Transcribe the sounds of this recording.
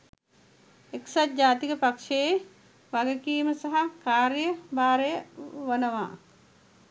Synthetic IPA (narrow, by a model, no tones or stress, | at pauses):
eksat̪̚d͡ʒaːt̪ikəpakʂe | ʋaɡəkiːməsaɦakaːɾjəbaːɾejəʋɐnəʋa̰ː